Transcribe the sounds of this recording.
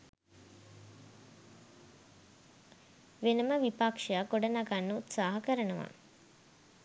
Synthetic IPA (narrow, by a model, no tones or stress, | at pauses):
ʋenəməʋipakʂɐjaɡoɖənaɡanːəut̪saːɦɐkəɾənəʋa̰